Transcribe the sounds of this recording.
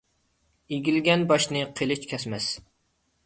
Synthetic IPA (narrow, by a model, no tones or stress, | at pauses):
eɡʲilɡʲɛnbɑʃnɨqʰelˠɪt͡ʃkʲʰɛsmɛs